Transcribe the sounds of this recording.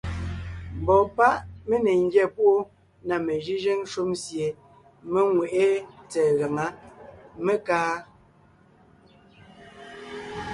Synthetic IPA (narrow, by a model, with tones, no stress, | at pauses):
m˨bɔ˨pa˦ʔme˦ne˨ŋ̩˦ɡjɛ˦˨pu˦ʔo˦ | na˨me˨ʒi˦ʒe˦ŋ̩˦ʃu˦msje˨ | me˦ŋwe˨ʔe˦t͡sɛː˨ɣa˨ŋa˦me˦kaː˦